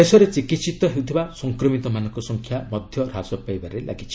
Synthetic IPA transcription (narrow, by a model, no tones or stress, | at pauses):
esɔɾet͡ʃikit̪sit̪ɔɦeut̪ʰibasɔŋkɾɔmit̪ɔmanɔŋkɔsɔŋkʰjamɔd̪ʱjɔɾasɔpajbaɾelʔa̰ɡit͡ʃʰi̥